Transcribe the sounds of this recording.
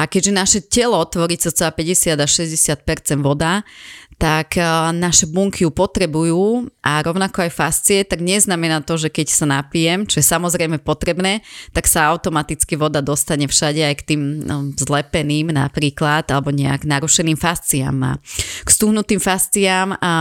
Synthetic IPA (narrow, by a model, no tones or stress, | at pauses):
ʔakɛɟʒɛnaʃɛcɛlɔt̪ʋɔɾit͡sat͡sɛaːpɛɟɛsɪad̪aʃɛzɟɛsɪat̪̚pɛɾt͡sɛnd̪ʋɔd̪at̪aknaʃɛbuŋkʰijupɔt̪ɾɛbujuːʔaɾɔʊnakɔajfast͡siɛt̪aɡɲɛznamɛnaːt̪ɔʒɛkɛcsanapijɛmt͡ʃɔjɛsamɔzɾɛjmɛpɔt̪ɾɛbnɛːt̪aksaaʊt̪ɔmat̪it͡skiʋɔd̪ad̪ɔst̪aɲɛfʃaɟɛajkt̪iːmzlɛpɛniːmna̰pɾiːklad̪alɛbɔɲɛa̰ɡnaɾuʃɛniːmfast͡sia̰mːa̰ːkst̪uɦnut̪iːmfast͡siama